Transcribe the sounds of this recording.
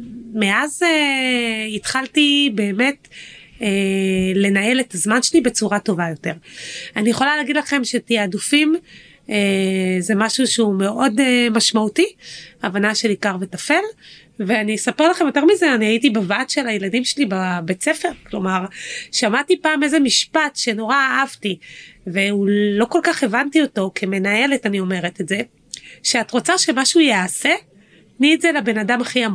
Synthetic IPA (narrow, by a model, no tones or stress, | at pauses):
meʔaze | itχaltibe̞ːme̞tele̞nae̞letazmanʃelibe̞t͡suʁato̞vajo̞te̞ʁanijeχo̞laleːɡidlaχe̞mʃetiaːdufim | ezemaʃuʃume̞o̞demaʃmautiavanaʃelikaʁvetafe̞l | veaniesape̞ʁlaχe̞mjo̞t̪e̞ʁmizeaniaitibavat̪ʃelajeladimʃelibabet͡se̞fe̞ʁklo̞maʁʃamatipaːme̞ze̞miʃpatʃe̞no̞ʁaːavtiveulo̞ko̞lkaχe̞vantio̞to̞kʰeme̞nae̞le̞tanio̞me̞ʁetetze̞ | ʃeatʁot͡saʃemaʃujease̞ | mietzelabe̞nadamaχiam